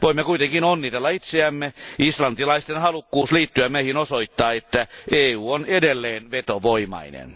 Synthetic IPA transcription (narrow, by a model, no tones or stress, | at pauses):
ʋoimːekuit̪eŋkinonːit̪elːɑit̪seæmːeislɑnt̪ilɑist̪enhɑlukːuːsliːt̪ːyæmeihinosoit̪ːɑːet̪ːæeːuːonedelːeːnʋet̪oʋoimɑ̰inḛn